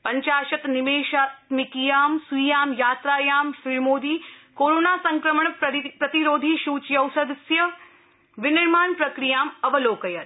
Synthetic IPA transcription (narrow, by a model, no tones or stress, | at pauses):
pɐɲt͡ʃaːʃɐt̪nimeːʃaːt̪mikijaːmsujaːmjaːt̪ɾaːjaːmʃiɭmoːd̪iːkoːɾoːnaːsɐŋkɾɐmɐɳpɾɐt̪iɾoːd̪ʱiːʃuːt͡ʃjɐwsɐd̪sjɐ | ʋɪniɾmaːnpɾɐkɾijaːmɐʋɐloːkɐjɐɾ